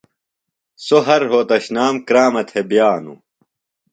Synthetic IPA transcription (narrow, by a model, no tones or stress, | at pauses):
soɦɐɾɦoːt̪ɐɕnaːmkɾaːmɐt̪ʰebjaːnṵ